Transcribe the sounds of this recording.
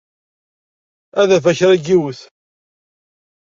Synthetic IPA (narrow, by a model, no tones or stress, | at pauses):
æðæfæçɾæɡiwəθ